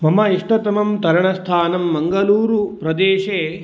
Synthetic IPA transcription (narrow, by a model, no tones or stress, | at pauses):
mɐmɐiʂʈɐt̪ɐmɐmt̪ɐɾɐɳɐst̪ʰaːnɐmːɐŋɡɐluːɾupɾɐd̪eːʃeː